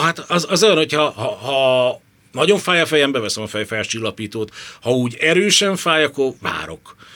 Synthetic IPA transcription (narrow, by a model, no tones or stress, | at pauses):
ɦat̪ɒzɒzɛnho̞chɒɦɒhɒ | nɒɟo̞ɱfaːjɒfɛjɛmbɛvɛsɛmɒfɛjfɛlt͡ʃilːɒpiːt̪oːt̪hɒuːɟɛɾøːʃɛɱfaːjɒkːo̞rva̰ːɾo̞̰k